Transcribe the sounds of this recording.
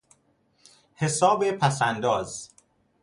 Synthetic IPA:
hesɒːbepʰæsænd̪ɒːz

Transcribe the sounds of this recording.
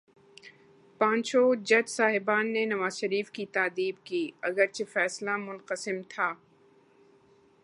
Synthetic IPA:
pãːɲt͡ʃod͡ʒɐd͡ʒsaːɦɪbaːnːenɐʋaːzʃɐɾiːfkit̪aːd̪iːb̚kiːɐɡəɾt͡ʃefɛːslamʊlqəsɪmt̪ʰaː

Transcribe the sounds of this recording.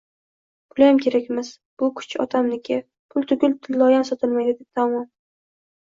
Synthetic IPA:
bʊlajamkʲʰe̞ɾakʲmɪz̥ | b̥ʊkʰʊ̥t͡ʃʰɒt̪ʰamnɪkʲɪ | pʰʊlˠt̪ʰʊɡʲʊlt̪ʰɪlːɒjamsɒt̪ʰɪlˠmajd̪ɪd̪et̪ʰamɒm

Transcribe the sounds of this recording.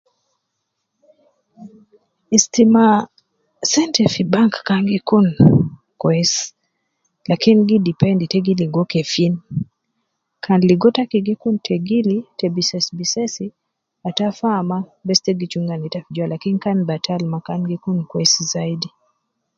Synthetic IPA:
istima | sɛntɛfibaŋkːaŋɡikun | kwɛs | lakinɡidipɛnditɛɡiliɡɔkɛfin | kʰanliɡɔtakiɡikuntʰɛɡilitɛbisɛsbisɛsi | atafamabɛstɛɡit͡ʃuŋɡanitafid͡ʒwalakinkanbatʰalmakanɡikunkwɛsizaidi

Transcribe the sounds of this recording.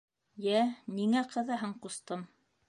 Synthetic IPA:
jæniŋæqɤ̆ðɤ̆ɦɤɴqust̪ɤm

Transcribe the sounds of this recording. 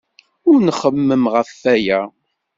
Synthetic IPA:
ʊɾnəχəmːəmʁəfːæjæ

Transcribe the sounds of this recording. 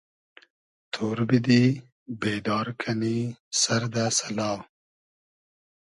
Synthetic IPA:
t̪ʰoːɾbid̪i | beːd̪ɑːɾkʰanisaɾd̪asalɑː

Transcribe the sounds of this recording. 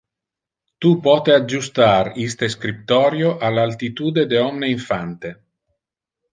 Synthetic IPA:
t̪upɔːt̪ead͡ʒust̪aɾist̪eskɾip̚t̪ɔːɾjoʔalalt̪it̪uːd̪ed̪eɔmneiɱfant̪e

